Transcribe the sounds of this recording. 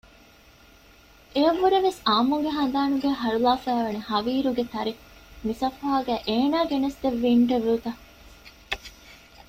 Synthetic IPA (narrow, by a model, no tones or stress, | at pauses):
eɐʋːuɾeʋesaːmuŋɡeɦɐnd̪aːnuɡeːɦɐɾulaːfæːʋɐnehɐʋiːɾuɡet̪ʰɐɾi | misɐfaːɡæːʔeːnaːɡenɐsd̪eʋːiːɳʈeʋeut̪ɐ